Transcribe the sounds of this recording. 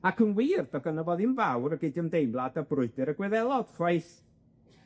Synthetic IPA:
akʰənwiːrdɔɡənəvɔðinvawɾəɡɪdiəmdejmlˠadəbrʊɨdɨɾəɡwɛðɛlˠɔd̥fajθ

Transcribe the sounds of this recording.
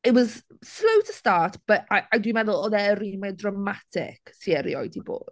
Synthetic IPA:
ɪwɔz̥ | slowtʰəstaːtb̥əaadwimɛðʊlˠɔðɛɾimɛdramatʰɪ̰ksiɛɾḭɔ̰jdibo̰ːd̥

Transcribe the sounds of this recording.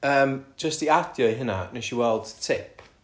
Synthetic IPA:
əːmd͡ʒəstiad̥jɔiɦɪna̰nɛʃiwɛlˠd̥tʰɪpʰ

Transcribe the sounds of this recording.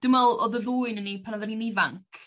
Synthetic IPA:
d̥ɪmɛlˠɔðəðuːɨnənipʰanaðaninɪvaŋkʰ

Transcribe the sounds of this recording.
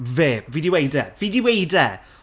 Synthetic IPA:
veːbviːdiwejdɛvidiwejdɛ

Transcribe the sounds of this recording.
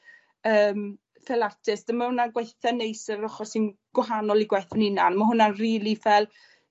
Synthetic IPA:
əːm | θɛlartʰɪsd̥əmahʊnanɡwajθanejsəɔχɔsɪnɡ̥wɔɦanɔlˠiɡwajθənɪnanmaɦʊnanriːlˠivɛlˠ

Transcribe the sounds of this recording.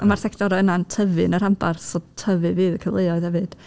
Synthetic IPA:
əmarθɛkʰtɔɾɔənantʰəvɨnəɾambarθɔtʰəvɨviːðəkʰəvlˠejɔɨð̥hɛvɨd̥

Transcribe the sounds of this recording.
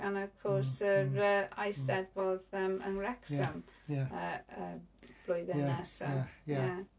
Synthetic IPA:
anɔv̥kʰɔrsərəajsdɛdvɔðəmə̰nrɛksəməəb̥lˠʊjðɛnɛsə̰ja

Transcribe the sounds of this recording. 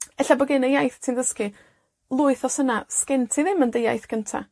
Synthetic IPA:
ɛɬabɔɡɪnəjajθtʰindəskɨ | lˠʊɨθɔsənaskɛntʰiðɪməndeja̰jθɡ̥əntʰa̰

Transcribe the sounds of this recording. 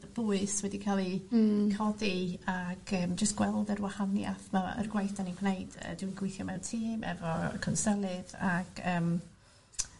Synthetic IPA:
əb̥ʊɨswɛdikʰalˠikʰɔdiaɡ̥əːmd͡ʒəstɡ̥wɛlˠdərwahanja̰θmɔə̰rɡwajθd̥anibʰnejd̥ə̰dwinɡ̥wɪjθjɔmɛwtʰiːmʔɛ̰vɔkʰənsəlˠɨðaɡ̥əːm

